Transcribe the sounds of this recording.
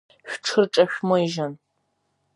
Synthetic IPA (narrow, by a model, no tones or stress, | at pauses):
ɕʷᶣʈ͡ʂʰɨrʈ͡ʂʼɐɕmɔiʒɐn